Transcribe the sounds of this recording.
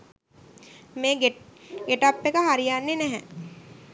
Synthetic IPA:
meːɡɡeʈapːekəɦaɾijanːenɛɦɛ

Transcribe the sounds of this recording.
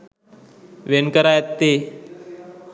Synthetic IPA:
ʋenkəɾajət̪ːe

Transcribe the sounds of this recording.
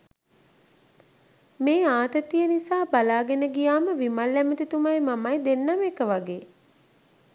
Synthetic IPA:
meːaːt̪ət̪ijənisaːbalaːɡenəɡijaːməʋimalːæmət̪it̪umajmamajd̪enːamekəʋaɡeː

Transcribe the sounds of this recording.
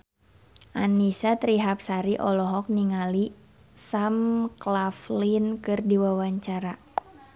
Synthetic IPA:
ʔanisat̪ɾiɦap̚saɾiʔɔlɔɦɔk̚niŋali | samklaflinkɨrdiwawaɲt͡ʃaɾa

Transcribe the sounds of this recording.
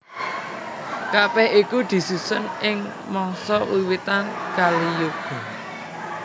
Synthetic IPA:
kabɛhikud̪̥i̤susʊnɪŋ | mɔŋsɔwiwit̪ankalijuɡ̥ṳ

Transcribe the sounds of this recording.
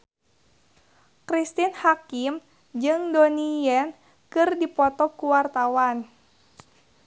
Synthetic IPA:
kɾist̪inhakim | d͡ʒɨŋdonijɛn | kɨrdipɔt̪ɔkuwart̪awan

